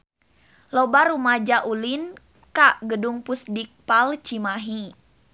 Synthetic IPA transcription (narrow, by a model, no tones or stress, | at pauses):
lɔbaɾumad͡ʒaʔulin | kaʔɡəduŋpusdik̚palt͡ʃimaɦi